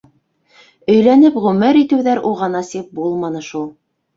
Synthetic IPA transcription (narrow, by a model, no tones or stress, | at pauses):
ɵ̆jlænɘpʁɵmɘɾit̪ɘ̆wðæɾuʁɑnɑsip̚bulˠmɑnɤ̆ʃulˠ